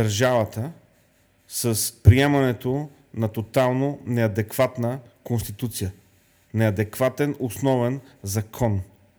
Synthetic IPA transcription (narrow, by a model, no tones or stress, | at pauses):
əɾʒavət̪ə | səspɾiɛmɐnɛt̪o | nɐt̪ot̪alˠnonɛɐd̪ɛkv̥at̪nəkonst̪it̪ut̪sijə | nɛɐd̪ɛkvat̪ɛnosnɔvɛnzɐkʰɔn